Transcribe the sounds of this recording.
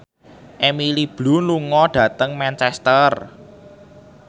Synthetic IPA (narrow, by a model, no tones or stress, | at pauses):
ʔemilib̥lṳnluŋɔɖ̥ä̤t̪əŋmant͡ʃɛst̪ər